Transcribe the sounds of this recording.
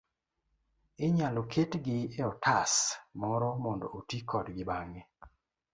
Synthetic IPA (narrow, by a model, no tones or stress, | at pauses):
ɪɲalokʰetɡɪeɔtʰasmɔɾɔmɔndɔ̰otikʰɔdɡɪbaŋɡe